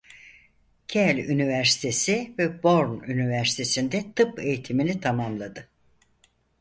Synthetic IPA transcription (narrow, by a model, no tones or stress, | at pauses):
cʰɛlʲynivæɾsi̥t̪ʰe̞sivɛbo̞ɾnynivæɾsi̥t̪ʰe̞sind̪ɛt̪ʰɯpe̞jit̪ʰiminʲit̪ʰamamlˠad̪ɯ